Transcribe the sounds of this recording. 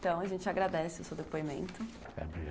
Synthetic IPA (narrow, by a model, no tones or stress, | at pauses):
t̪ɐ̃w̃ɐʒẽnt͡ʃɪaɡɾad̪ɛsɪʊsewd̪epoimḛ̃nt̪ʊ | ɛ̰bi